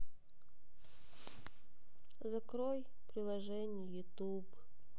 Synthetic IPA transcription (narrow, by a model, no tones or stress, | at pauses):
zɐkɾoj | pɾʲɪlˠɐʐɛnʲɪjjʊt̪ub